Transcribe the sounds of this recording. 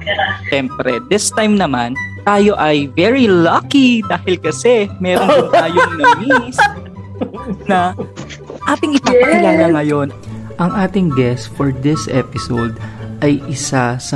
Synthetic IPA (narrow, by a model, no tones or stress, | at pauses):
ʃɛmpɾɛ̰d̪ɪst̪ajmnɐmant̪aːjo̞ʔɐjvɛɹilɐkid̪aːhɪlkɐsɛmɛːɾonʊŋt̪aːjoŋnɐmis | nɐ | ʔaːt̪ɪŋʔɪt͡ʃɪpɛnlɐŋɐŋɐjo̞nʔɐŋʔaːt̪ɪŋɡɛst̪fɔɹd̪ɪsʔɛpɪsowd̪ʔɐjʔɪsasɐ